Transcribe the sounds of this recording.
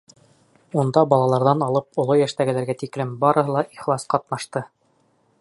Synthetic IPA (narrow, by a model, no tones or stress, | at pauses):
und̪ɑbɑlˠɑlˠɑɾðɑnɑlˠɤp̚ŏlˠojæʃt̪æɡɘ̆læɾɡæt̪iklɘmbɑɾɤ̆ɦɤlˠɑʔiχlˠɑsqɑt̪nɑʃt̪ɤ